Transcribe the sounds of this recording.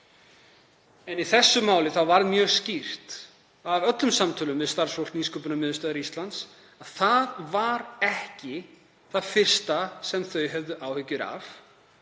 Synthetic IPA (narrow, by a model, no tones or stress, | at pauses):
ɛniθɛsːʏmaːwlɪθawvaɾðmjœːɣscir̥t̪ | avœt̪lʏmsamt̪ʰʏːlʏmːvɛðst̪ar̥sfowlk̪niskɔwpʏnamɪðʏst̪aːðaɾist̪lant̪s | aðθaðvaɾɛhcɪ | θaðfɪr̥st̪asɛmθœɥɦœvðʏʔaːwhʏcːʏɾa̰v